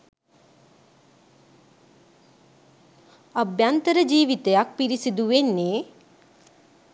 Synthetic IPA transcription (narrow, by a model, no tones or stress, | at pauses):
abjant̪əɾəd͡ʒiːʋit̪ejak̚piɾisid̪uʋenːeː